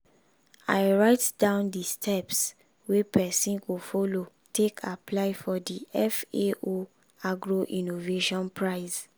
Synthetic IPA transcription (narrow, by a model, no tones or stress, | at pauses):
aɪɹaɪtdãʊ̃ndistʰɛps | wepɛsĩnkofɔlo | tekʰapʰlaɪfɔdiʔɛfeo | aɡɹoʔĩnoveʃɔ̃npʰɹaɪs